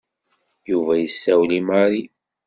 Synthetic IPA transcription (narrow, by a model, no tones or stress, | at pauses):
juvæjəsːæwlimaɾi